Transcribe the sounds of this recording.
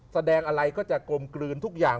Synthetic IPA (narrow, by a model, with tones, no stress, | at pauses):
sa˧dɛː˧ŋʔa˧ɾa˧jkɔː˥˩t͡ɕa˨˩ko˧mklɯː˧nt̪ʰu˦˥k̚jaː˨˩